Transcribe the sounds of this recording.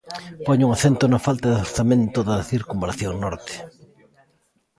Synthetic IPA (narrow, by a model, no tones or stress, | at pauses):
poɲʊuŋaθent̪ʊnɐfalt̪ɐðoɾθamẽnt̪oðɐθiɾkumbɾaθjoŋnɔɾt̪e̥